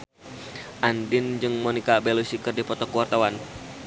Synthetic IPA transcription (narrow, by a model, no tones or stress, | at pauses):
ʔandɪnd͡ʒɨŋmɔnikabɛlusikərdipɔt̪ɔkuwart̪awan